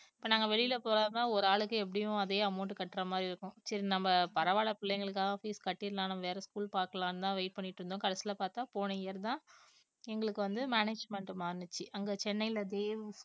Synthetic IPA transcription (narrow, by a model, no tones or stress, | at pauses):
ɪpːoːnaːŋɡɐʋɛɭɪjɪlɐpoːɾaːnaːɔɾɯaːɭɯkːɯɛp̬ːɐɽɪjʊ̃ɐðeːɐmʊːʈːɯkɐʈːɪɾɐmaːd̪ɾiɪɾɯkːʊ̃sɐɾinɐmbɐpɐɾɐʋaːɭɐpɪlːɐŋɡɐɭɯkːaːfiːskɐʈːɪɾlãːnɐ̃mɐʋeːɾɐskuːlpaːɾkɐɭaːnt̪ãːʋɐɪʈ̚pɐɳːɪʈːɾɯnd̪õːkɐɽɐsɪlɐpaːɾt̪ãːpoːnɐjɪjɐɾt̪ãː | ɛŋɡɐɭɯkːɯʋɐnd̪ɯmaːneːd͡ʒmɛɳʈmaːɾnɯt͡ʃːɯʔɐŋɡɐt͡ʃɛnːɐjɪlɐd̪eːʋɯ